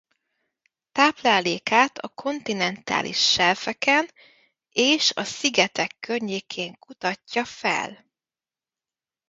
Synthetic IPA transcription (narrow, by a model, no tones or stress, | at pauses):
t̪aːplaːleːkaːt̪ʰɒ̰kʰo̞nt̪inɛnt̪a̰ːlʔḭʃːɛlfɛkɛn | eːʃɒ̰siɡɛt̪ɛkːørɲeːkʰeːŋkut̪ɒcːɒfɛ̰l